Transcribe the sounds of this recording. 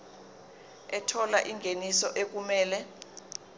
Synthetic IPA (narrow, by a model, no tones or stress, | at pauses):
ɛtʰɔlaʔiŋɡʱenisɔʔek̬umɛːlɛ